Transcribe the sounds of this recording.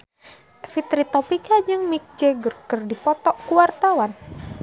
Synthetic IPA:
fit̪ɾit̪ɔpikad͡ʒɨŋmik̚d͡ʒɛɡɨrkɨrdipɔt̪ɔʔkuwart̪awan

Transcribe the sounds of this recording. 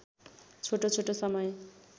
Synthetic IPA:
t͡sʰoʈot͡sʰoʈosʌmʌj

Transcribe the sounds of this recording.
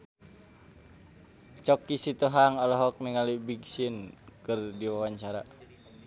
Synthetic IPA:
t͡ʃɔkisit̪uɦaŋɔlɔɦɔk̚niŋalibiɡsinkɨrdiwawaɲt͡ʃaɾa

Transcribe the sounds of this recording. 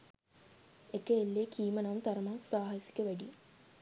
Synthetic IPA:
ekəelːeːkʰiːmənɐmt̪aɾəmaksaːɦasi̥kəʋæɖi

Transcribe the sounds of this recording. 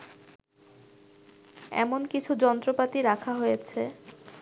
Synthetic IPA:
ɛ̰monkit͡ɕʰud͡ʑɔnt̪ɾopat̪iɾakʰaɦojet͡ɕʰe

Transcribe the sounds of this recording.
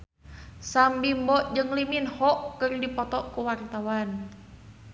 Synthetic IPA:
sambimbɔʔd͡ʒɨŋliminhɔʔkɨrdipɔt̪ɔʔkuwart̪awan

